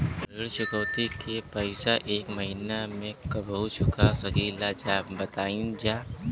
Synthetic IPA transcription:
ɪɽt͡ʃʊkəːt̪ikepɐɪsaʔeːkməɦiːnamẽkɐbəut͡ʃʰʊkasɐɡiːlad͡ʒaːbbɐt̪aːĩd͡ʒaː

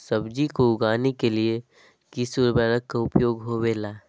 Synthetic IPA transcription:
səbd͡ʒikoʊɡaːnekelie | kisuɾbɛɾəkːaʊpjoːɡɦoweːlaː

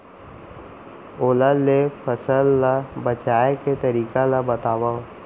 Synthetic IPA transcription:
oːlalepʰəsəlːabət͡ʃaːeket̪əɾiːkalabɐt̪aːwaõ

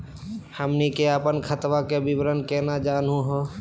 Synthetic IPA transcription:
həmnikeəpənkʰət̪ʋakebibɾənkeːnad͡ʒaːnũɦoː

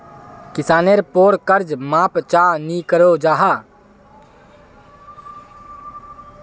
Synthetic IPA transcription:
kɪsaːneɾpoːɾkəɾd͡ʒmãːpt͡ʃaːnikəɾod͡ʒaːɦaː

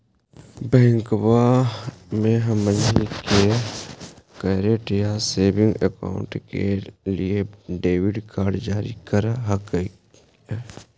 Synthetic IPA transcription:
bɛ̃ːŋkba | mẽɦɐmənike | kəɾeʈijaseːbɪ̃ŋɡeka̰ːʊ̰̃ɳʈkelieɖeːʋɪɖkʰaːɾɖd͡ʒaːɾḭkəɾaɦkː

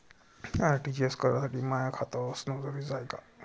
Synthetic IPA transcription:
aɾʈid͡ʑeskəɾjasaʈʰiːmajakʰat̪asnɔd͡zəɾid͡zajka

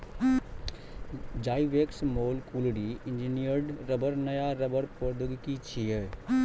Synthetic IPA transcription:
d͡ʒaːiʋeːksmoːlkulɽiɪnd͡ʒinijəɾɖɾəbəɾnəjaɾəbəɾpəɾd̪ʱəɡkit͡ʃʰijə

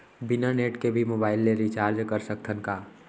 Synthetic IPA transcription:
bɪnaneːʈkebʱimoːbaːɪlːeɾit͡ʃaːɾd͡ʒkəɾsəkt̪ʰənkaː

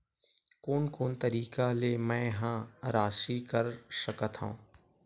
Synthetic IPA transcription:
koːnkoːnt̪ɐɾiːkalemɛ̃ːɦãːɾaːʃikɐɾsɐkət̪ɦõ̰ː

